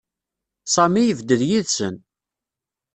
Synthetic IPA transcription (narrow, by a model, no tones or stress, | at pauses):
sˤɑmijəvd̪əðjiðsən